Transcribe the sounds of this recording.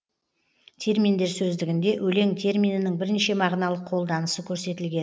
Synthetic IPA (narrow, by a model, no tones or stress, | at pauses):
t̪ʲʰe̞ɾmijnd̪e̞ɾsɵzd̪ɪɡʲɪnd̪e̞ʔɵle̞ŋt̪ʰe̞ɾmijnɪnɪŋbɪɾɪnʃemɑʁnɑlˠəqʰo̞lˠd̪ɑnəsəkʲʰɵɾse̞t̪ɪlɡʲe̞n